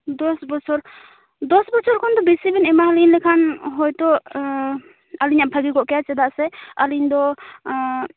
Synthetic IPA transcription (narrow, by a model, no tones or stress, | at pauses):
d̪ɔsbɔsɔɾ | d̪ɔsbɔsʰɔɾkʰɔnd̪ɔbisibinɛmaɦalinlɛkʰanɦɔjt̪ɔ | aliɲaʔbʰʱaɡiɡɔʔkɛjat͡ʃɛd̪aʔsɛaliɲd̪ɔ